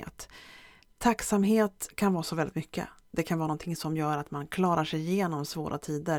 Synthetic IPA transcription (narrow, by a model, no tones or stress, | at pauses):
t̪ʰː | aksamɦeːt̪kʰanvɑːɾasɔvɛlɪt̪mʏkːə̰ | d̪ɛkʰanvɑːnɔnt̪ʰɪŋsɔmjœːɾat̪mankʰlɑːɾaʂɛjɪjeːnɔmsvo̰ːɾʔa̰t̪ʰiːd̪əɾ